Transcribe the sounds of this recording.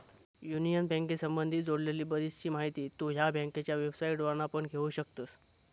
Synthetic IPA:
junijənbɛ̃ŋkesəmbənd̪ʱiːd͡zoɽleliːbəɾist͡ɕiːmaɦit̪iːt̪oɦjabʱɛ̃ŋket͡ɕjaʋebsaiʈʋənapəɳɡʱeʋuɕəkt̪os

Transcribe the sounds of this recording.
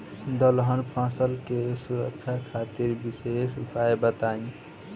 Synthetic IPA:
d̪əlɦənpʰãːsəlkesuɾək̚t͡ʃʰakʰat̪iɾbisesupaebət̪aĩ

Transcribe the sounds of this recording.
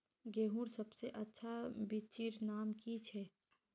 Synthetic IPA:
ɡeːɦũɾsɐbseʔɐtːʃʰabit͡ʃiːɾnaːmkit͡ʃʰɛː

